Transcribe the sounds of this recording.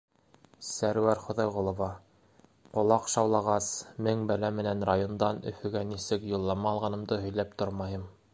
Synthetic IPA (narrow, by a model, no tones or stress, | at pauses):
sæɾwæɾχŏðɑjʁŏlˠŏvɑ | qŏlˠɑqʃɑwlˠɑʁɑsmɘŋbælæmɘ̆nænɾajond̪ɑnɵ̰̆fɵ̆ɡænisɘkjŏlˠːɑmɑːlˠʁɑnɤ̆md̪ɤɦɵ̆jlæp̚t̪oɾmɑjɤm